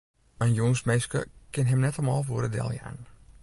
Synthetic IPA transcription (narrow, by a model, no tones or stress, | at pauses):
ənjoŋsmɛjskə̰kɪnɦɛmnɛtəlˠmɔːlˠfoəɾədɛ̰lˠja̰ːn